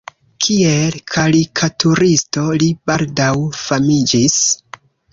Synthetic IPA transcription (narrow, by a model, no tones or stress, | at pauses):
kʰielkʰaɾikʰatuɾisto̞libaldawfamid͡ʒis